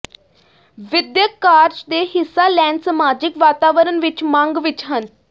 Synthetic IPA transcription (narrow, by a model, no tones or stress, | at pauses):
ʋɪd̪jəkːaːɾd͡ʒd̪eːɦɪsːaːlɛːnɖsəmaːd͡ʒɪkʋaːt̪aːʋəɾənʋɪt͡ʃmãŋɡʋɪt͡ʃɦən